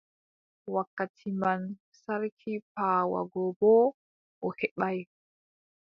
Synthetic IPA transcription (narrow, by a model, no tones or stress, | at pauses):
wakːatʰiman | saɾkʰipaːwa̰ɡɔbɔ | ʔɔhɛɓaj